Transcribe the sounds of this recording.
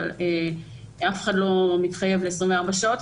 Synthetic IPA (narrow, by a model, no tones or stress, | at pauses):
le | afeχadlo̞mitχaje̞vleesʁinmveaʁbaʃaot